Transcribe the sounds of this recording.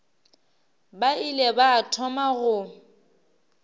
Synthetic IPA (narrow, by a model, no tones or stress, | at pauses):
bailɛbaːtʰɔmaɣʊ